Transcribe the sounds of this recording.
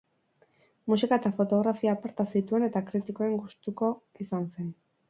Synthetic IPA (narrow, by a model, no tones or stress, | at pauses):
musikaet̪afo̞t̪o̞ɣ̞ɾafiaːpaɾt̪asit̪ue̞ne̞t̪akɾit̪iko̞e̞ŋɡust̪uko̞isanse̞n